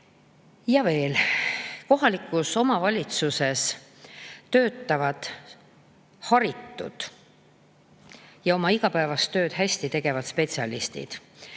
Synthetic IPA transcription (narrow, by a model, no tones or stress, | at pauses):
jɑve̞ːlko̞ɦɑlikːˑuso̞mɑvɑlʲit̪suse̞s | t̪ø̞ːt̪ːˑɑvɑd̪̥ | hɑɾit̪ːˑṵd̪̥ | jɑo̞mɑiɡ̥ɑpæevɑst̪ːø̞ːt̪ɦæsʲt̪it̪e̞ɡ̥e̞vɑt̪spe̞t̪siɑlist̪ḭd̪̥